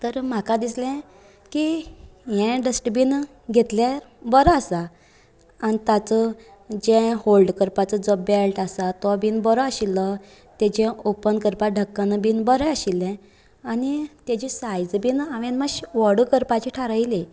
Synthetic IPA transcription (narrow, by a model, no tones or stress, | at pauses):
t̪əɾm̤akad̪islɛ̃ | kijɛ̃ɖəsʈbiːn | ɡʱet̪la | bəɾɔasa | anit̪at͡sə | d͡ʑɛ̃holɖkəɾpat͡səd͡zəblʈasat̪ɔbinbəɾɔaɕilːɔ | t̪ɛ̃d͡ʑɛ̃ʔopənkəɾpaɖʱəkːanbinbəɾəəɕilɛ̃ | anit̪ɛd͡ʑisajd͡zbiːnaʋɛ̃nmaɕʋəɽukəɾpat͡ɕiʈʰaɾəjle